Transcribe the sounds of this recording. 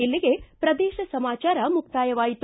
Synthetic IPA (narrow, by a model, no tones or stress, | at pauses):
ilːiɡe̞pɾɐd̪ɛːʃɐsɐmaːt͡ʃaːɾɐmuk̚t̪aːjɐʋaːjit̪